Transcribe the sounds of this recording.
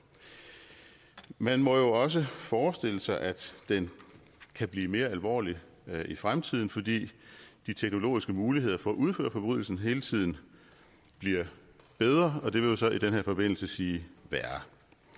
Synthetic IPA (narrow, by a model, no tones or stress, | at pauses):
mænmɒ̽jo̝ɒ̽s̬əfɒːsd̥e̝l̰əsɑ̈ɪʔæ̥d̥en | kʰæb̥liːme̝ːɐælʋɒ̰ːli | ifʁamt͡sʰið̞̰ˠn̩fɒ̽d̥ḭːd̥it͡sʰeɡ̥no̝lo̝̰ːisɡ̥əmuːliɦe̝ð̞̰ˠɐfɒ̽ːʔuð̞ˠfø̰ːɐfɒ̽b̥ʁy̰ðˠl̩sn̩ɦe̝ːlət͡sʰið̞̰ˠn̩ | b̥liɐ | b̥eð̞ˠʁɐɒ̽d̥e̝ʋe̝jo̝sɒ̽id̥enɦeɐ̰fɒ̽b̥e̝n̰l̩səsiːʋæɐ